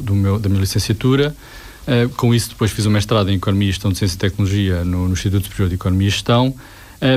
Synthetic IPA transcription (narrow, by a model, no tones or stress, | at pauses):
d̪umewd̪ɐmiɲɐlˠisẽsjɐt̪uɾɐ | ɛkõisud̪ɨpojʃfizumɐẽʃt̪ɾaðɐẽj̃ikɔnumiɐʃt̪ɐ̃w̃d̪sjẽsit̪ɛk̚nulˠuʒiɐnunuĩʃt̪it̪ut̪su̥pɾioɾðikɔnumiɐʃt̪ɐ̃w̃ | ɛ